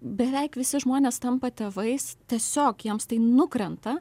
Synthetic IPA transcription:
bʲɛʋʲɛɪkʋʲɪsʲɪʒmoːnʲeːst̪ɐmpɐt̪ʲeːʋɐɪst̪ʲiɛsʲoːkjiɛmst̪ɐɪnʊkɾʲɛnt̪ɐ

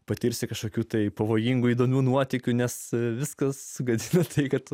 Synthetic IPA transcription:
pɐt̪ʲiːɾʲsʲɪkɐʃkoːkʲuːt̪ɐɪpɐʋoːjiŋɡuiːd̪oːmʲuːnuɔt̪ʲɪkʲunʲɛsʋʲɪskɐssʊɡɐd̪ʲɪnɐt̪ʰɐɪkɐt̪

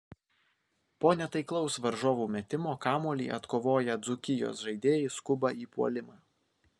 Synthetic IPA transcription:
poːnʲɛt̪ɐɪklˠɒʊsʋɐɾʒoːʋuːmʲɛt̪ʲɪmoːkɑːmuɔlʲḭːʔɐt̪koːʋoːjɛd̪zʊkʲɪjo̰ːsʒɐɪd̪ʲeːjɛɪskʊbɐiːpuɔ̰lʲɪmɑ

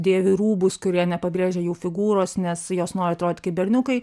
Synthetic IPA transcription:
d̪ʲeːʋʲɪɾuːbʊskʊɾʲiɛnʲɛpɐbʲɾʲeːʒʲɛjuːfʲɪɡuːɾoːsnʲɛsjoːsnoːɾʲɪɐt̪ɾoːd̪ʲɪt̪kʲɪbʲɛɾʲnʲʊkɐɪ

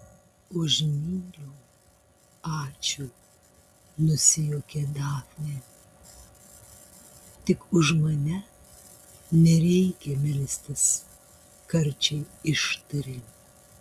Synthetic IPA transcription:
oʒʲnʲiːlʲuː | ɑːt͡ʃʲuː | nʊsʲɪjokʲeːd̪ɑːfʲnʲe | t̪ʲɪkʊʃmɐnʲɛ | nʲɛɾʲɛɪkʲɛmʲɪlʲsʲt̪ʲɪs | kɐɾʲt͡ʃʲɛɪɪʃt̪ɐɾʲɪlʲ

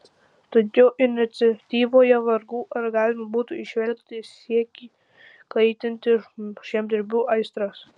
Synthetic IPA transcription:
t̪ɐkʲɛːʔɪnʲɪt̪sʲɐt̪ʲiːʋoːjɛʋɐɾɡuːʔɐɾɡɑːlʲɪmɐbuːt̪ʊɪʃʲʋʲɛlʲkʲt̪ʲɪiɛkʲiː | kɐɪt̪ʲɪnʲt̪ʲɪʃʲɛmd̪ʲɪɾʲbʲuːʔɐɪst̪ɾɐs

